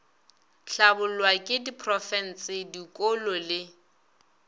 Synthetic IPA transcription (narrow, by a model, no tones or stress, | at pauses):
ɬabʊlwakʼɪdipʰrɔfɛn̩sɪdikʼolɔlɪ